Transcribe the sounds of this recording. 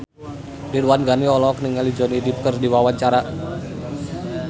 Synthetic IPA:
diɾuwanɡaniɔlɔk̚niŋalid͡ʒɔnidip̚kərdiwawaɲt͡ʃaɾa

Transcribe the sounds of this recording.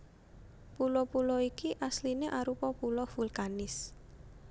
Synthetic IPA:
pulɔpulɔikiʔaslineʔaɾupɔpulɔfulkanɪs

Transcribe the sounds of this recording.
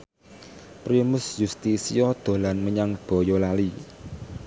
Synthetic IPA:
pɾimʊsjust̪isijɔd̪̥o̤lanməɲaŋb̥ɔ̤jɔlali

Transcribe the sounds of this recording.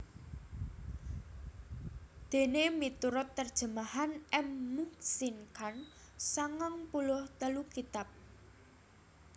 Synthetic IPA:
d̪̥e̤nemit̪uɾʊt̪ːərd̥ʒ̥ə̤mahanɛmːusinkan | saŋaŋpulʊht̪əlukit̪ap̚

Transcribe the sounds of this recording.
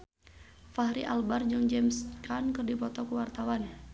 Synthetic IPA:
faɦɾiʔa̰lbard͡ʒɨŋd͡ʒɛmskankɨrdipɔt̪ɔkuwart̪awan

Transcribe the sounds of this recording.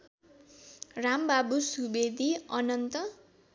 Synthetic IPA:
rambabusubed̪ʱiʌnʌnt̪ʌ

